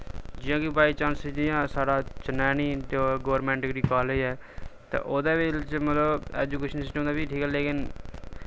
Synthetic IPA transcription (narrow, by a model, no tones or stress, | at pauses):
d͡ʒɪjãːkipaːiːt͡ʃãːnsɪd͡ʒɪjãːsaːɽaːt͡ʃənɛːniːt̪eɡəːɾmɛ̃ːɳʈɪɡɽiːkaːləiːɛːt̪ḛːʔoːd̪aːʋelt͡ʃmət̪ləbɛːd͡ʒuːkeːʃənsɪsʈəmd̪aːbiːʈʰiːkɛːleːkɪn